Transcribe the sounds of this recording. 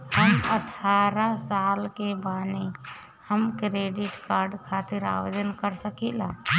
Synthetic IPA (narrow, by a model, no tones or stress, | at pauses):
ɦəməʈʰaɾasalkebane | həmkɾeɖiʈkaɾɖkʰat̪iɾa̰ʋəd͡ʒənkəɾsəkilã